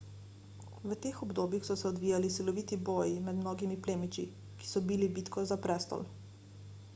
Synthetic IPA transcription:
ʋət̪eːxɔbd̪oːbjixsɔsɛɔd̪ʋiːjalisilɔʋiːt̪iboːjinad̪mnoːɡimipleːmit͡ʃḭ | ki̥sɔbilibiːt̪kɔzapɾɛst̪ɔ̰l

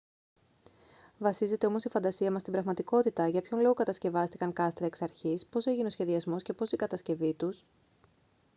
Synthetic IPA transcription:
vɐsize̞t̪e̞o̞mosifɐnd̪ɐsiɐmɐst̪ibɾɐɣmɐt̪iko̞t̪it̪ɐʝɐpço̞nlo̞ɣokɐt̪ɐsce̞vɐst̪ikɐŋkɐst̪ɾɐeksɐɾçispo̞se̞ʝineo̞sçe̞ðiɐzmo̞sce̞po̞sikɐt̪ɐsce̞vit̪us

